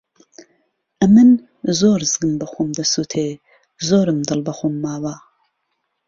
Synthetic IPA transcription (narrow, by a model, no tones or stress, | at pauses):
ʔɐmɨn | zoːɾzɨɡɨmbɐxʷumd̪ɐsuːt̪ʰeː | zoːɾɨmd̪ɨlbɐxumːaːwaː